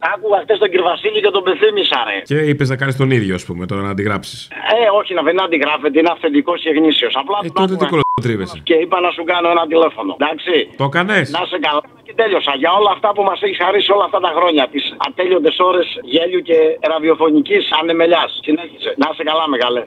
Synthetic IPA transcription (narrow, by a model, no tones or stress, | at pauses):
ɐkuɣɐxt̪est̪oɟiɾvɐsiʎicet̪o̞be̞fθimisɐɾḛceipeznɐkɐnist̪o̞niðʝoɐspumet̪oɾɐnɐːnd̪iɣɾɐpsi̥seo̞çinɐðenɐnd̪iɣɾɐfe̞t̪̬eineɐfθet̪iko̞sçeɣnisio̞sɐplɐnt̪ekot̪ɾivesesceipɐnɐsuɡɐno̞e̞nɐt̪ile̞fo̞no̞̰d̪ɐksit̪okɐnesnɐsekɐlɐɐcet̪e̞ʎo̞sɐʝɐo̞lɐːft̪ɐpumɐseçisxɐɾisio̞lɐːft̪ɐt̪ɐxɾo̞ɲɐt̪isɐ̰t̪eʎo̞nd̪e̞so̞ɾe̞sʝe̞ʎuce̞ɾɐðio̞fo̞nicisɐne̞me̞ʎɐssineçise̞nɐsekɐlɐmeɣɐle